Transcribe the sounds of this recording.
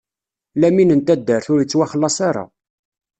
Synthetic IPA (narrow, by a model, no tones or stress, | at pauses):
læminənt̪æd̪ːəɾθʊɾjət͡sːwæχəlːɑsˤaɾˤɑ̰